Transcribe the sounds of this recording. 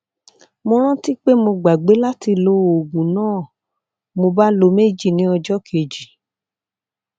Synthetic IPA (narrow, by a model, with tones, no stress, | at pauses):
mo˧ɾ̃ã˦ti˦k͡pe˦mo˧ɡ͡ba˨ɡ͡be˨˦la˦ti˧lo˦o˨ɡũ˨nãː˦˨ | mo˧ba˦lo˧˦me˦˨d͡ʒi˦˨nĩ˨˦ɔ˧d͡ʒɔ˦kʰe˨d͡ʒi˨